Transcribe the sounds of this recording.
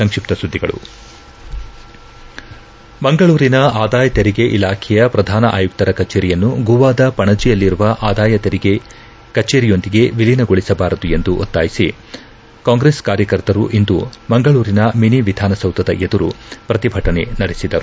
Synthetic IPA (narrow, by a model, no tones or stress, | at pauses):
sɐŋkʂip̚t̪ɐsud̪ʱːiɡɐ̰ɭṵ | bɐŋɡɐɭuːɾinɐaːd̪aːjɐt̪eɾiɡe̞ʔilaːkʰɛjɐpɾɐd̪ʱaːnɐʔa̰ːjuk̚t̪ɐɾɐkɐt͡ʃeːɾijɐnːuɡuʋaːd̪ɐpɐɳɐd͡ʒijɐlːiɾuʋɐʔaːd̪aːjɐt̪eɾiɡe̞ | kɐt͡ʃeːɾijo̞nd̪iɡe̞ʋilinɐɡoɭisɐbaːɾɐd̪ue̞nd̪uʔo̰t̪ːaːjisi | kaːŋɡɾeːskaːɾjɐkɐɾt̪ɐɾuʔind̪ubɐŋɡɐɭuːɾinɐminiʋid̪ʱaːnɐsɐwt̪ɐd̪ɐʔed̪uɾupɾɐt̪ibʱɐʈɐne̞̰nɐɽesid̪ɐɾu